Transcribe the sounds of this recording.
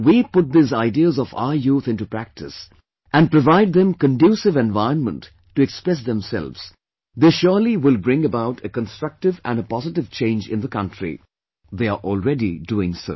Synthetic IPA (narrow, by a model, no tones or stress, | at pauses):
wipʊʈ̚d̪izaɪdiəzɔfa̰ʊəjut̪ʰɪ̃ntupɾæk̚tɪs | ʔæ̃npɹəvaɪɖ̚ðɛ̃mkə̃nɖjuːsɪvɛ̃nvaɪə̃nmə̰̃ntː | uɛkspɹɛs̬ðɛ̃msɛ̰lvz̥ | d̪eːʃɔliwɪlbɾɪ̃ŋəbaʊʈʰəkə̃nstɹ̥ʌk̚ʈɪvæ̃nəpɑzɪʈɪv̥t͡ʃẽɪ̃nd͡ʒɪ̃nðəkʌ̃ntɹḭ | ðeaɹʔɔːlˠɹɛdiduɪ̃ŋso̰ʊ